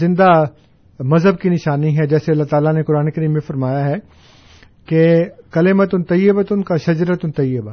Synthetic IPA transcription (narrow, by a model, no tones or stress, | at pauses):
ɪ̃nd̪a | mɐzɦəb̚kinɪʃaːniɦɛd͡ʒɛːseɐlːaɦt̪aːlanekʊɾaːnekɐɾiːmːẽfɐɾmaːjaɦɛ | kekɐlɪmət̪ʊnt̪ɐjɪbət̪ʊnkaʃɐd͡ʒɾət̪ʊnt̪ɐjɪb